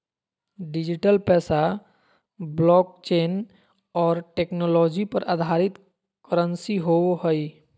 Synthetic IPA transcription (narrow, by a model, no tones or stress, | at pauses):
ɖid͡ʒiʈəlpɛːsa | blɔːk̚t͡ʃeːn | ɔːɾʈeknɔlɔːd͡ʒipəɾʔa̰d̪ʱaːɾɪt̪ | kəɾənsiɦoɦəi